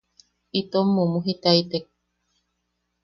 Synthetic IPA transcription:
it̪omːumuɦit̪ait̪ek̚

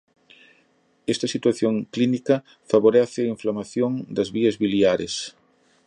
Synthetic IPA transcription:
ɛst̪ɐsit̪waθjoŋklinikɐ | faβoɾɛθɪɐĩɱflamaθjoŋd̪ɐzβiɐzβiljaɾes

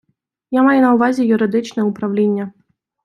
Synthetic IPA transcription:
jamajɛnɐwvazʲɛjuɾɨd̪ɨt͡ʂnɐjupɾawlʲenʲːɐ

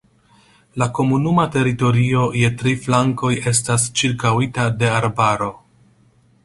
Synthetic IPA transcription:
lako̞munumate̞ɾito̞ɾio̞je̞tɾiflaŋko̞je̞stast͡ʃiɾkawitade̞aɾbaɾo̞

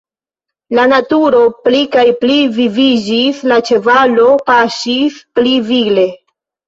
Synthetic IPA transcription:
lanatuɾo̞plikajplivivid͡ʒislat͡ʃe̞valo̞paʃisplivile̞

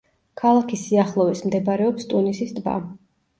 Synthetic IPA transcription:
kʰalˠakʰisiaχlˠɔvismd̪ɛbaɾɛɔpst̪ʼunisisd̪ba̰

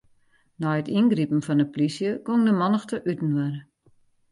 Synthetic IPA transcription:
nɔjətinɡripn̩fɔndəplisjəkoŋdəmɔnəxtəʔytn̩wɛɾə

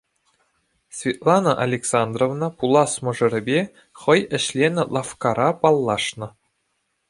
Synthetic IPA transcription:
sʲvʲit̪lˠɑnɤʔa̰lʲeksɑnd̪rovnɤpulˠɑsmɤ̆ʐɤ̆ɾʲɘ̆bʲe | χɤ̆jɘ̆ɕlʲenʲɘ̆lˠɑfkɑɾɑpɑlˠːɑʂnɤ̆

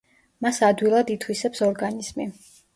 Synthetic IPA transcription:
masad̪wilˠad̪it̪ʰwisɛpsɔɾɡaniz̥mi

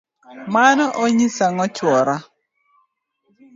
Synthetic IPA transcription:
manɔʔoɲisaŋɔt͡ʃwɔɾa

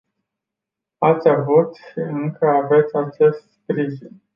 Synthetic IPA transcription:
at̪sʲavut̪ʃiɨŋkʰəave̞t̪sʲat͡ʃe̞st̪spɾiʒin

